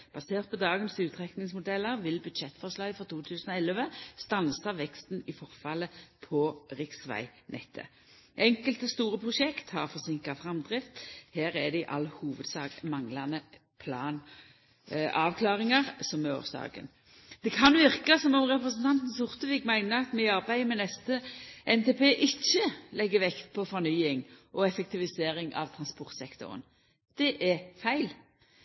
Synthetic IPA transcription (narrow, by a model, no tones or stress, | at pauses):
b̥ɑseːʁt̪̚pʰɔd̪ɑːɡənsʉːt̪ʰʁɛknɪŋsmʊd̪ɛlːəʁʋɪlbʉd̪ʃɛt̪ːfɔʁʂlɑɡfʁɔʁt̪ʰuːt̪ʰʉːsənɔɛlʋəst̪ɑnsɑʋɛkst̪n̩ɪfɔʁfɑləpʰɔʁɪksʋæ̰ɪnʔɛ̰t̪ʰːə̰ | ʔɛŋkəlt̪əst̪uːɾəpʰʁʊʃɛkt̪hɑʁfɔʁsɪŋkɑfʁɑmd̪ʁɪft̪hæːɾæd̪ɛɪʔɑ̰lːhuːʋəd̪sɑːɡmɑŋlɑnə | pʰlɑːn | ʔɑːʋkʰlɑːʁɪŋɑʁsɔmɛo̰ːʁsd̪ɑ̰ːɡə̰n | d̪̥ɛkʰɑnʋɪʁkɑsɔmɔmʁɛpɾəsənt̪ʰɑnt̪n̩sʊʁt̪əʋiːkmæɪnəɑt̪mɛɪɑʁbæɪmɛnɛst̪əʔɛnt̪ʰeːpeːʔɪçːəlɛɡːəʋɛkt̪̚pʰɔfɔʁnyːɪŋʔɔɛfɛk̚t̪ɪʋɪseːɾɪŋʔɑ̰ʋt̪ʰʁɑnspɔʁt̪sɛkt̪ʊ̰ɾə̰n | d̪̥ɛʔæfæɪl